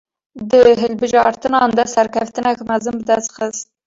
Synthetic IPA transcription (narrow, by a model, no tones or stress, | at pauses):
d̪ɨɦɨlbɨʒɑːɾt̪ɨnɑːnd̪ɑsɛɾkʲʰɛft̪ɨnɛkmæzɨnbɨd̪ɛst̪xɨst̪